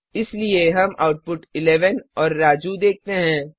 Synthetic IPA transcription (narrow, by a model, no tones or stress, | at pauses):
ɪslieɦɐma̰ːʊʈ̚pʊʈɪlɛːʋənɔːɾːaːd͡ʒud̪eːk̚t̪eɦɛ̃ː